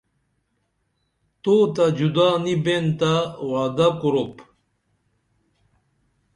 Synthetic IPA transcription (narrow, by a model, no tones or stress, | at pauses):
t̪oːt̪ɐd͡ʑud̪aːnibent̪awaːd̪akuɾop